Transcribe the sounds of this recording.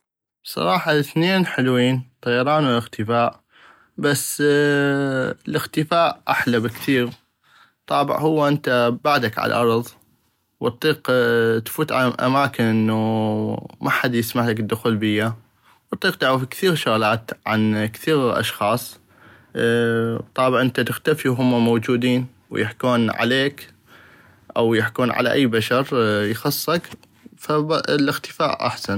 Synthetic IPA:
bsˤɑ̰ɾˤɑːħɑlɪθneːnħɪlwiːnt̪ˤɑjɑɾˤɑːnwɪlɪɣt̪ɪfaːʔ | basː | lɪɣt̪ɪfaːʔʔaħlabɪkθiːɾ | t̪ˤɑːbɪ̰ʕhʊwːaʔɪnt̪abaʕd̪akʕa̰la̰ʔɑɾˤðˤ | wt̪ˤːiːqt̪fuːt̪ʕa̰ʔa̰maːkɪnʔɪnːu | mʔaħad̪jɪsmaʕlakɪd̪ːʊxuːlbɪjːa | wɑt̪ˤːiːq̚t̪aʕɾafkθiːɾʃʊɣaːlaːt̪ʕa̰nkθiːɣʔɑ̰ʃxɑːsˤ | t̪ˤːɑːbʕʔɪnt̪at̪ɪxt̪afiwɦʊmːamowd͡ʒuːd̪iːn | w̰jɪħkuːnʕa̰leːk | ʔawjɪħkuːnʕa̰la̰ʔajːbaʃɑɾjxɑsˤːɑk | fablʔɪxt̪ɪ̥fa̰ːʔʔa̰ħsan

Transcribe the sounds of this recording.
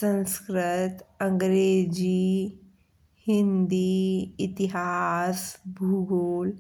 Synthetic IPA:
sə̃nskɾɪt̪ə̃ŋɡɾeːd͡ʒi | hɪ̃nd̪iɪt̪ɪɦaːsbʱuɡoːl

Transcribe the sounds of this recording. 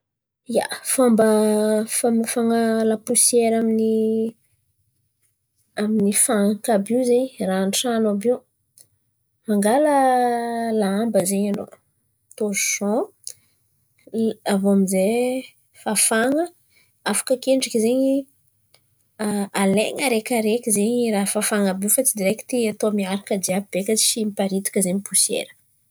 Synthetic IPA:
ija̰fambəfamfaŋalapusjɛɾamini | aminifaŋkabiwzeɲranʈ͡ʂanobew | maŋɡalə | laambəzeɲano̰ | t̪ozuʃɔ̃ | avoamize | fafaŋə | afḁkəkeɳɖ͡ʐakizeɲi | aalḛŋəɾekʲaɾekʲizeɲiɾaɦfafaŋəbiufat͡sid̪iɾeki̥t̪iat̪omiaɾakəd̪iab̥ekat͡ʃimipaɾit̪u̥kʲəzeɲipusḛɾə̥

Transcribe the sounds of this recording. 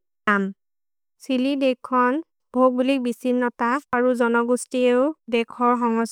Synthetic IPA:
am | silidekʰːɔn | bʱoɡ̚bulik̚bisinːɔtaaɹuzɔnɔɡustieʊdɛkʰɔɹɦɔŋɔs

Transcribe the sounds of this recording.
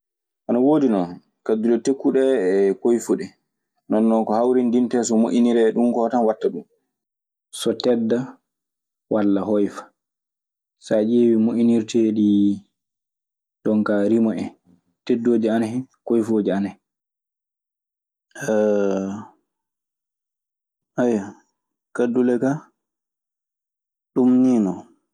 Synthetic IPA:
ʔanawoːdinɔn | kadulɔtekːuɗɛkojfuɗɛ | nɔnːɔkɔhawɾindintɛs̬ɔmoʔiniɾɛɗumkɔtanwatːaɗum | sɔtɛdːa | walːaɦɔjfḁ | sad͡ʒewimoʔiniɾteɗi | ɗɔŋkaɾimɔɛn | tedːoːd͡ʒianahɛ | kɔjfoːd͡ʒianɛ | ɛ | aja | kadːulɛka | ɗumniːnɔ

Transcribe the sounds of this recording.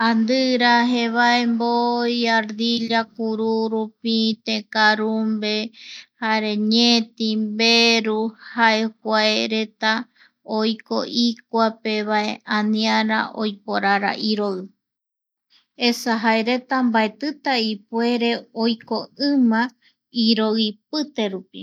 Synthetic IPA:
and̪ɨɾaɦeβae̞mbojaɾd̪iʎak̚uɾuɾupit̪ekaɾumbe̞haɾe̞ɲet̪imbeɾuhaekʷaeɾe̞t̪a | ojko̞̰ʔik̚ʷape̞βae̞ãnĩaɾa̰ʔo̰jpoɾaɾa̰ʔiɾoɨ | esaɦaeɾe̞t̪ambaet̪ɨt̪aipwe̞ɾe̞ojko̞ɨ̃mã | iɾoip̚ɨt̪e̞ɾupḭ

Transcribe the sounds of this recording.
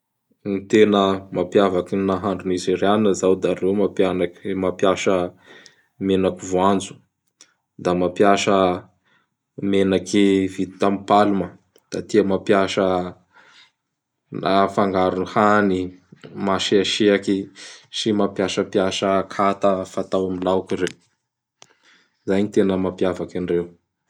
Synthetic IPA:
nit̪enəmapjavakinaɦaɳɖ͡ʐunizireaninəzawd̪aɾewmapjanakmapjaʃə | menakivuand͡zu̥ | d̪amapjaʃə | menakivit̪i̥t̪ampalumə | d̪̥at̪iəmapjaʃə | nafaŋɡaɾunuhanimaʃiaʃiakisimapjaʃəpiaʃəkʰat̪əfat̪awamilaukiɾe | zaɲit̪enəmapiavakanirew

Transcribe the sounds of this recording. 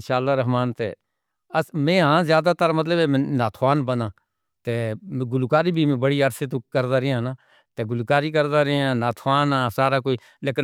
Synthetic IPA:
nʃaːlːaːɾəɦmaːnt̪ḛː | əmẽːɦãːzjaːd̪aːt̪əɾmət̪ləbeːmːnaːt̪ʰʋaːnbənãː | t̪eːɡʊlukaːɾiːbʱiːm̃ːbəɽiːəɾseːt̪oːkəɾd̪aːɾɪãːnaː | t̪eːɡʊlkaːɾiːk̬əɾd̪aːɾɪãːnaːt̪ʰʋaːnãːsaːɾaːkoːiː | ləkə

